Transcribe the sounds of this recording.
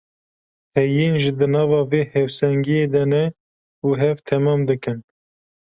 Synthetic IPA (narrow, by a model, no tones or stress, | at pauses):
hɛjiːnʒɨd̪ɨnɑːvɑːveːhɛwsɛŋɡijeːd̪ɛnɛ | uɦɛvt̪ʰɛmɑːmd̪ɨkɨn